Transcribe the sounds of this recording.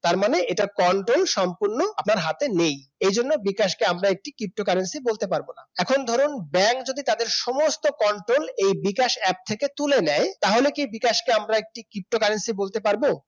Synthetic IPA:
t̪aɾmaneeʈakɔɳʈɾolʃɔmpuɾnoapnaɾɦat̪enej | ejd͡ʑonːobikaʃkeamɾaek̚ʈikɾip̚ʈokaɾensibolt̪epaɾbonaɛkʰond̪ʱɔɾonbɛŋkd͡ʑod̪it̪ad̪eɾʃɔmost̪okɔɳʈɾolejbikaʃɛp̚t̪ʰeket̪ulenɛet̪aɦolekibikaʃkeamɾaek̚ʈikɾip̚ʈokaɾensibolt̪epaɾbo

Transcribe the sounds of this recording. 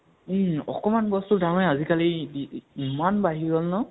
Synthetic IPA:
ɔ̰kɔmanbɔstudaɹnɛazikaliiimanbaɦiɡɔlnɔ

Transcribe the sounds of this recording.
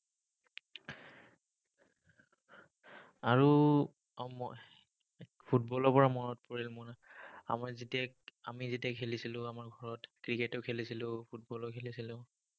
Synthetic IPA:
aɹu | m | pʰut̚bɔlɔpɔɹamɔɹɔt̚poɹilmʊnaa̰maɹzitiakamizitiakʰelisilʊ̃amaɹɡʱɔɹɔtkɹiketɔkʰelisilʊ̃pʰutbɔlɔkʰelisilʊ̃

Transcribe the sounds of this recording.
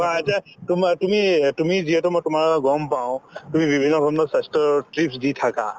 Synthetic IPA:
baatatʊmtumitumiziɦɛtʊmɔjtʊmaɹɡɔmpaʊ̃tumibibʱinːɔbʱabnɔsɛstɔtɹipsditʰaka̰

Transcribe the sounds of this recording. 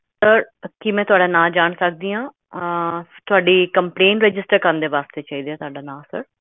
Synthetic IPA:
səɾkɪmɛ̃ːt̪ʊaːɖaːnaːld͡ʒaːɳsək̚d̪iːãː | t̪ʊaːɖiːkəmpleːɳʈɾɛd͡ʒɪsʈəɾkəɾənd̪eːʋaːst̪eːt͡ʃaːiːd̪eaːt̪ʊaːɖaːnaːsə̰ɾ

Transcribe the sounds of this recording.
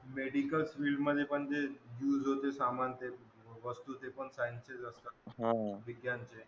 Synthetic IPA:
meɖikəlsʋilɖməd̪ʱjepəɳd͡ʒejuːzɦot̪esamant̪e | ʋəst̪ut̪epəɳsajinsezəst̪aɦãʋiɡjant͡ɕʰe

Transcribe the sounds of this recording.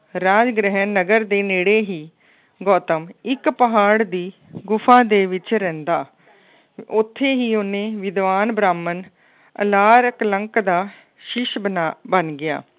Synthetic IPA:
ɾaːd͡ʒɡɾəɦənːəɡəɾd̪eːneːɽeːɦiː | ɡɔːt̪əmɪkpəɦaːɽd̪iːɡʊfʰãːd̪eːʋɪt͡ʃɾɛ̃ːnd̪aː | ʊt̪ʰːeːɦiːoːnẽːʋɪd̪ʋaːnbɾaːmən | ə̰laːɾəkləŋkd̪aː | ʃɪʃbbənɡɪja̰ː

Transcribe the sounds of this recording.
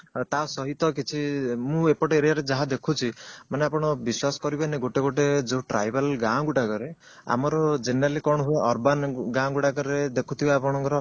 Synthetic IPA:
t̪asɔɦit̪ɔkit͡ʃʰimũepɔʈeːɾijaɾed͡ʒaɦad̪ekʰut͡ʃʰimaneapɔɽ̃ɔbiswasɔ̥kɔɾibeneɡoʈeɡoʈed͡ʒeʈɾa̰jbalɡãɡuʈakɔɾe | a̰mɔɾɔd͡ʒeneɾalikɔɽ̃ɔɦueʔɔɾbanɡãɡuʈakɔɾed̪ekʰut̪ʰibaapɔɽ̃ɔŋkɔɾɔ

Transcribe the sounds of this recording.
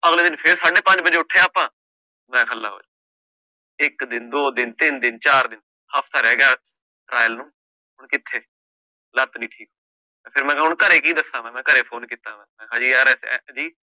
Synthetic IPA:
əɣleːd̪ɪnpʰɪɾsaːɖeːpə̃ɲd͡ʒbəd͡ʒeːʊʈʰːeːaːpãː | mɛ̃ːkʰəlːa̰ːɦo̰ːd͡ʒa | ɪkd̪ɪnd̪oːd̪ɪnt̪ɪnd̪ɪnt͡ʃaːɾd̪ɪn | haːpʰt̪ʰaːɾɛːɡɪjaː | ʈɾaːjəlnũː | ɦʊɳkɪt̪ʰːeː | lət̪nĩːʈʰiːkɦoː | ɛ̃ːpʰɪɾmɛ̃ːʊɳkəɾeːkĩːd̪əsãːʋɛ̃ːmɛ̃ːkəɾeːpʰoːnkiːt̪ãːʋɛ̃ːmɛ̃ːkʰãːd͡ʒiːaːɾɛsɛ̰d͡ʒiː

